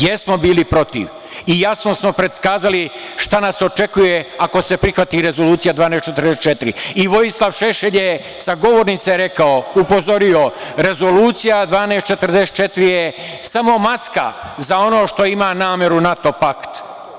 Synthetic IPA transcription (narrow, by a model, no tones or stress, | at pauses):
jesmo̞biːlipɾo̞t̪ḭʋ | ijasno̞smo̞pɾed̪skaːzaliʃt̪anaso̞t͡ʃe̞kujeako̞se̞pɾixʋat̪iɾe̞zo̞luːt̪sijad̪ʋaːneːst͡ʃet̪ɾd̪eset̪̚t͡ʃe̞t̪iɾḭiʋo̞jislˠaʋʃeʃeʎje | saɡo̞ʋo̞ɾnit̪seɾe̞kaoupo̞zo̞ɾio̞ɾe̞zo̞luːt̪sijad̪ʋaːneːst̪t͡ʃe̞t̪r̩d̪eset̪̚t͡ʃet̪ɾie | samo̞maska̰ | zao̞no̞ːʃt̪o̞imaːnaːme̞ɾunat̪o̞pakt̪